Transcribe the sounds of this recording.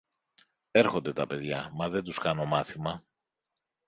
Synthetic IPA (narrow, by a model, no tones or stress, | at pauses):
e̞ɾxo̞nd̪e̞t̪ɐpe̞ðʝɐmɐðe̞nt̪uskɐno̞mɐθimɐ